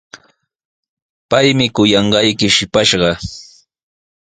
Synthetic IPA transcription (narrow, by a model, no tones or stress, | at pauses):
pajmɪkʊjɑɴɢɑjkɪʃɪpaʃɢɑ